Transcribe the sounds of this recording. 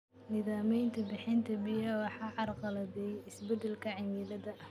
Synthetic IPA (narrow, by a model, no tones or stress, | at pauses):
nɪðaːmɛjnt̪ʰɐbɪħɪnt̪ʰɐbɪjɐwɑħɑːʕɑrqɑlɐðɛjɪsbɛd̪ɛlkʰɐʕɪnjɪlɐðɐʔɐh